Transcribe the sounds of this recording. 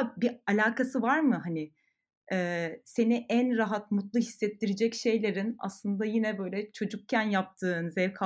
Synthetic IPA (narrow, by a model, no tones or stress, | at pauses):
bialʲaːkʰasɯvaɾmɯɦanɪ | ɛːse̞niʔænɾaɦat̪mut̪lˠuɦisːɛt̪ːiɾid͡ʒɛcʃe̞jlʲe̞ɾina̰slˠɯnd̪ajinɛbø̞jlʲɛt͡ʃʰo̞d͡ʒuk̚cʰænjap̚t̪ʰɯːnzɛɾkʰa